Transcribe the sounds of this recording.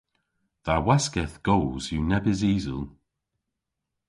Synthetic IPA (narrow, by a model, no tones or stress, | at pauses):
ðawaskɛθɡ̥oːz̥junɛbɪziːzə̰lˠ